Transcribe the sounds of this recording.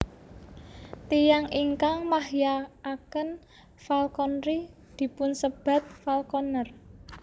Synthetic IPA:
t̪ijaŋiŋkaŋmahjaːkən | falkɔnɾi | d̪̥i̤pʊnsəb̥a̤t̪̚falkɔnər

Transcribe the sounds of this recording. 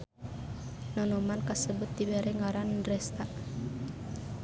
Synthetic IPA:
nɔnɔmankasəbʊt̪̚ːiwɛɾɛŋaɾanrɛst̪aʔ

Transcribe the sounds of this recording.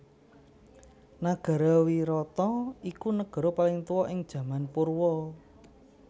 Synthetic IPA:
naɡ̥a̤ɾɔwiɾɔt̪ɔikunəɡ̥ɔ̤ɾopalɪŋt̪uwɔʔɪŋd̥ʒ̥ä̤manpurwɔ

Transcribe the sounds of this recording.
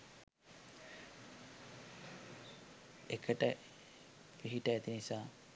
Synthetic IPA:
ekʰəʈə | kiɦiʈəæt̪inisaː

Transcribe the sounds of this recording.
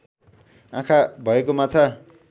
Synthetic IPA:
ãkʰabʱʌekomat͡sʰa

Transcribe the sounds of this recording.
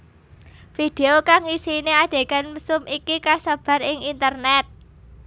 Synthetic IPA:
fid̪̥eokaŋisinead̥e̤kanməsʊmikikasəb̥a̤rɪŋint̪ərnɛt̪̚

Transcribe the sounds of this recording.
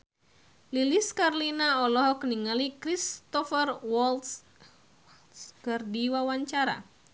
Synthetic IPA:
liliskarlinaɔlɔɦɔkniŋalikɾist̪ɔfərwɔlts | skɨrdiwawaɲt͡ʃaɾa̰

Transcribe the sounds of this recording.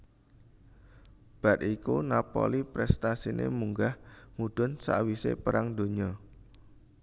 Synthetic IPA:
b̥a̤t̪̚ikunapo̰lipɾɛst̪asinḛmuŋɡahmud̪̥ɔ̤nsa̰ʔwisḛpəɾaŋd̪̥o̤ɲɔ

